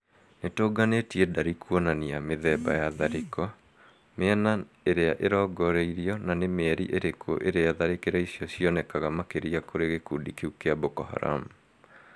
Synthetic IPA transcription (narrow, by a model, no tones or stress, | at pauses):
netoːɡanetiɛdaɾikuɔnaniameðɛbajaðaɾekɔ | meana | eɾeaʔeɾɔɡɔɾeiɾiɔnanemɛɾiʔeɾekʰo̰ʔeɾeaaðaɾekeɾaisjɔsiɔnɛkaɣamakeɾiakoɾeɣekudikeukeabokɔha̰ɾa̰mu